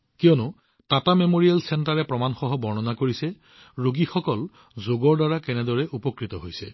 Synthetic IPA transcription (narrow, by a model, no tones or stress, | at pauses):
kijɔnʊ | tatamemoɹijalsɛntaɹɛpɹɔmanxɔɦɔbɔɹnɔnakoɹisɛ | ɹoɡixɔkɔl | zoɡɔɹdaɹakɛnɛdɔɹɛʔupɔkɹitɔɦojsɛ